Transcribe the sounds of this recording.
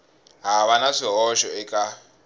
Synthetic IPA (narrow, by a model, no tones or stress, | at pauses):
ɦaβanaʂiɦɔʃɔɛkʼa